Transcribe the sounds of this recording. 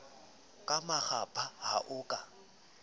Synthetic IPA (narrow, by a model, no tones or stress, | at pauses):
kʼamaχapʼʰaha̰ʔʊːkʼa